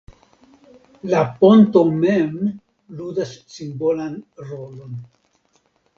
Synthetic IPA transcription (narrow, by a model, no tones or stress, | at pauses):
lapo̞ntomem | ludasːimbo̞lanɾo̞lo̞n